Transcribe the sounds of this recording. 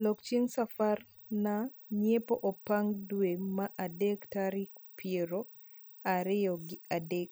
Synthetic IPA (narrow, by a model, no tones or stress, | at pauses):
lokt͡ʃeŋsafar | na | ɲjepoʔopaŋdwemaʔadektaɾɪkpjeɾo | aɾɪjɔɡɪadek̚